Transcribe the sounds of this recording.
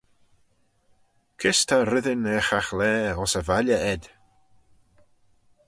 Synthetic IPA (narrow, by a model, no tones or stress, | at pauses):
kʰɪstʰarɪðɪnɛːχaχlɛːɔsəvalaʔɛd̥